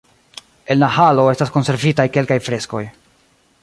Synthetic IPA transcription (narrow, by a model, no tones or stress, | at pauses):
e̞nlahalo̞e̞stasko̞nse̞ɾvitajke̞lkajfɾe̞sko̞̰j